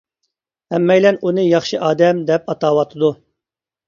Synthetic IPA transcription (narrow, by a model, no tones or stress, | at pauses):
hɛmːɛjlɛnunɨjɑχʃɨʔɑːd̪ɛmd̪ɛp̚ɑt̪ɑːwɑt̪ʰɨd̪u